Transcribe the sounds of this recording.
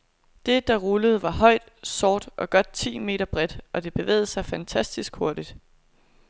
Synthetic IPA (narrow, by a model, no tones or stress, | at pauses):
d̥e̝d̥ɑ̈ʁuləð̞̩ˠʋɑ̈ɦɒ̽ɪd̥sɒːd̥ʔɒ̽ɡ̥ɒ̽d̥̚t͡sʰḭːme̝̰ːɾɐb̥ʁɛd̥ʔɒ̽d̥e̝b̥e̝ʋḛːð̩ˠəsɑ̈ɪfænt͡sʰæsd̥isɡ̥ho̝ɐd̥id̥